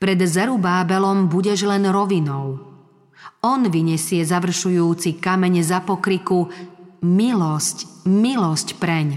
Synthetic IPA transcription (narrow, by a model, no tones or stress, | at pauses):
pɾɛd̪zɛɾubaːbɛlɔmbuɟɛʒlɛnɾɔʋinɔʊ | ɔnʋiɲɛsɪɛzaʋr̩ʃujuːt͡sikamɛɲzapɔkɾiku | milɔscmilɔscpɾɛɲ